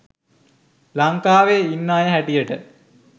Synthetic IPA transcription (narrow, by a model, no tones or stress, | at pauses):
laŋkaːʋeinːaːjəɦæʈijəʈə